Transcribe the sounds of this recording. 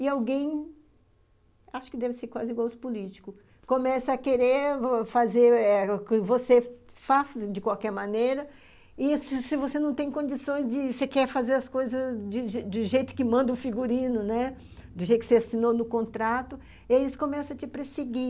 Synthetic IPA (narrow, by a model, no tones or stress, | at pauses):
ɪawɡẽj̃ | aʃʊ̥kɪd̪ɛvɪseɾkwazɪiɡwawsɪ̥pulit͡ʃi̥kʊ | kõmɛsɐːkeɾeɾfazeɾɛkɪvosefasd͡ʒɪkwawkɛɾmɐ̃nejɾɐ | ɪsɪsɪvosenɐ̃w̃t̪ẽj̃kõd͡ʒisõj̃zd͡ʒɪsekɛɾfazeɾɐskojzɐzd͡ʒɪd͡ʒɪd̪ʊʒejt̪ʊ̥kɪmɐ̃nd̪ɐʊfiɡuɾĩnʊnɛ | d̪ʊʒejt̪ʊkɪseasinonʊkõnt̪ɾat̪ʊ | iaisʊ̥kõmɛsɐt͡ʃɪpɾeseɡi